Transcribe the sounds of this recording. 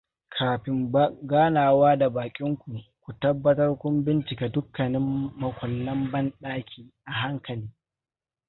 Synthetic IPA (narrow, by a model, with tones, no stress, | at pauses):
kʰaː˨ɸɪ˨m˦ɡaː˦naː˨waː˦da˨baː˨kʲʼɪ˦ŋkʷu˨kʷu˨tɐ˦bːɐ˦tɐ˦rkʷʊ˦mbɪ˦nt͡ʃɪ˨ka˨dʊ˦kːɐ˨nɪ˦mːɐ˨kʷɐ˨lːɐ˦mbɐ˦nɗaː˦kʲʰiː˦ʔa˨ɦa˦ŋkɐ˨liː˦